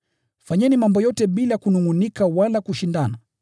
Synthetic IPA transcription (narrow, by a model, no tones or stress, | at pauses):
faɲɛnimambɔjɔtɛɓilajakunuŋunikawalakuʃindana